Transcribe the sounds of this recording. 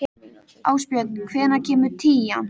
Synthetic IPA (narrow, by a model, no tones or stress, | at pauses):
aːwspjœt̪kʰvɛːnacʰɛːmʏɾ̥t̪ʰiːjan